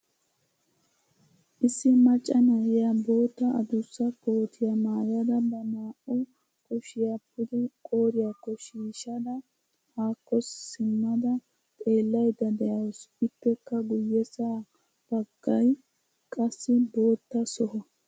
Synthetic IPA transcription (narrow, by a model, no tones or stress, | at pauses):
ʔɪsːɪmɐt͡ʃʼːɐnɐjɪjɐbo̞ːt̪ːɐʔɐd̪ʊsːɐkoːt̪ʰɪjamaːjɐd̪ɐbɐmaːʔʊ | kʼɔʃɪjapːʊd̪ɛkʼo̞ːɾɪjakːɔʃiːʃɐd̪ɐ | haːkːɔsːɪmːɐd̪ɐ | t̪ʼe̞ːlːɐjd̪ɐd̪ɛjɐwsɪpːɛkːɐɡʊjːɛsaː | b̥ɐɡːɐj | kʼɐsːɪbo̞ːt̪ːɐsɔɦɔ